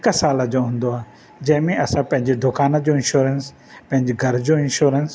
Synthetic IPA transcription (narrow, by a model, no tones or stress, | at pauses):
ɪkəsaːləd͡ʑoɦũːn̆d̪oaː | d͡ʑɐ̃ɦɪ̃mẽʔɐsãpɐ̃ɦɪ̃ɲd͡ʑed̪ʊkaːnə̆d͡ʑoɪ̃nʃuːɾəns | pɐ̃ɦɪ̃ɲd͡ʑeɡʱɐɾd͡ʑoɪ̃nʃuːɾəns